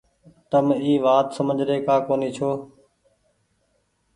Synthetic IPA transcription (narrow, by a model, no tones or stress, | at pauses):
t̪əmiːʋaːt̪səməd͡ʒɾeːkaːkoːniːt͡ʃʰoː